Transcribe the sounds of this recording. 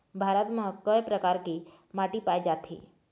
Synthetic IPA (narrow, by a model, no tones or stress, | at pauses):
bʱaɾət̪məkəjpɾəkaɾki | maʈipajd͡ʒat̪ʰḭ